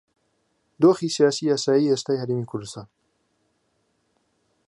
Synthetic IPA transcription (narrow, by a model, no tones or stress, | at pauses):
d̪oːxiːsijaːsiːaːsaːjiːest̪aːjhɐɾeːmiːkʰʊɾd̪ɨst̪aːn